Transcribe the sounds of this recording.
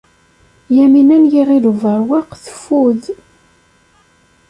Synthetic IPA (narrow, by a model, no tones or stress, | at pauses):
jæminænjiʁiluvəɾˤwɑqθə̥fuð